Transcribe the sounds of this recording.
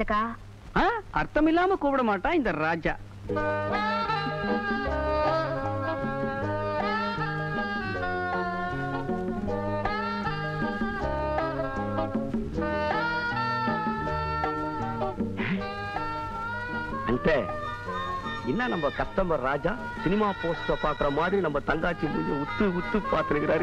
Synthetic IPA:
ɐka | ɦaːɐɾt̪ʰɐmilaːmɐkuːbɽɐmaːʈaind̪ɐɾɾaːd͡ʒɐ | ɐɳʈːeː | ɪnːaːnɐmbɐkɐt̪ːɐmbɐɾɾaːd͡ʒaː | sɪnɪmaːpoːsʈɐkːaːkːɪɾɐmaːðɾinɐmːɐt̪ɐŋɡaːt͡ʃːimuɐut̪ːuut̪ːupaːɾt̪ɐnɯkɪɾaːɾ

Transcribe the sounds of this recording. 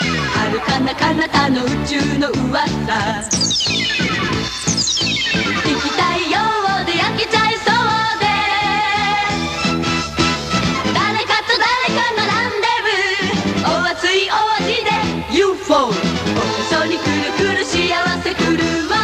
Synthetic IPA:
aɾɯ̟kanːakanat̪anoɯ̟t͡ɕɨːnoɯβasa | ikʲit̪aijoβod̪e̞jaket͡ɕaisod̪e̞ | d̪aɾekat̪od̪aɾekanonand̪emɯoβat͡sɨioβaʑid̪e̞ | jɯɸoõsoɲ̟ikɯɾɯkɯ̟ɾɯ̟ɕiaβase̞kɯɾɯma

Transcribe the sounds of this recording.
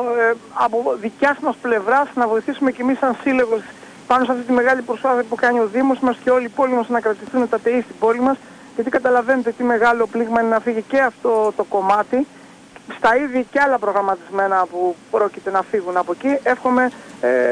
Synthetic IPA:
ɐpoðicɐzmɐsple̞vɾɐsnɐvo̞iθisume̞ce̞misɐnsile̞ɣo̞s | pɐnosɐft̪it̪ime̞ɣɐlipɾo̞spaθiɐpukɐnio̞ðimo̞smɐsceo̞libo̞limɐsnɐkɾɐt̪isθunet̪ɐt̪e̞ist̪ibo̞limɐs | ʝɐt̪ikɐt̪ɐlɐve̞net̪et̪ime̞ɣɐlo̞pliɣmɐinenɐfiʝice̞ɐft̪o̞t̪o̞ko̞mɐt̪i | st̪ɐiðʝɐceɐlɐpɾo̞ɣɾɐmɐt̪izme̞nɐpupɾo̞cit̪e̞nɐfiɣunɐpo̞cie̞fxome̞

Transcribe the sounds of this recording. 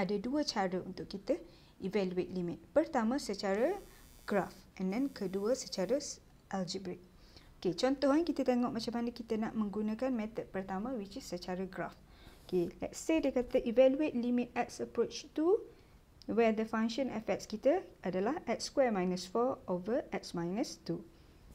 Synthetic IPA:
adaduət͡ʃaɾəunt̪ʊʔkit̪ə | ʔivɛluet̪̚limɪt̪̚pərt̪amãsət͡ʃaɾa | ɡ̥raf | ɛndɛnkʰəduəsət͡ʃaɾa | ʔɛld͡ʒibɾik̚ | oket͡ʃɔnt̪ɔhankit̪at̪eŋɔʔmat͡ʃamanəkit̪ənaʔmə̃ŋɡunãkanmɛt̪ət̪̚pərt̪amãwit͡ʃisːət͡ʃaɾaɡɾaf | okelɛ̰tsedekat̪aʔivɛluet̪̚limit̪̚ɛt̚səpɾot͡ʃt̪u | wɛd̪əfãŋʃɔ̃nɛfɛkt̚skit̪əʔadalahɛt̚skwɛmãjnəsfɔovəʔɛt̚smajnəst̪u

